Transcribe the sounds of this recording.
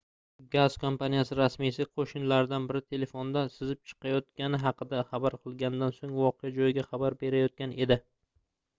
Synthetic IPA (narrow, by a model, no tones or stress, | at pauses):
ɡaz̥kʰompanijasɪɾasmisɪqʰoʃɪnlaɾɪd̪anbɪɾɪt̪ʰe̞le̞fond̪asɪzɪp̚t͡ʃʰɨ̥qʰɑjɒt̪kʲanɪɦɑqɨd̪aχɑbaɾqʰɨlˠɡʲanɪd̪ansoŋvɒqʰejad͡ʒɒjɪɡʲaχɑbaɾbe̞ɾajɒt̪̚kʲane̞d̪ɪ